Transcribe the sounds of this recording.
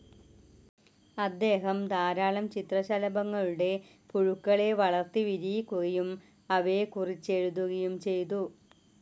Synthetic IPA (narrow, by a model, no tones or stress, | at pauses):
ɐd̪ːe̞ːɦɐmd̪aːɾaːɭɐmt͡ɕit̪rɐɕɐlɐbɐŋːɐɭuɽe̞ | puɻukːɐɭe̞ʋɐɭɐrt̪iʋiɾijikʲːuɣɐjum | ɐʋekurit͡ɕːe̞ɻuðuɣɐjumt͡ɕe̞jt̪̬u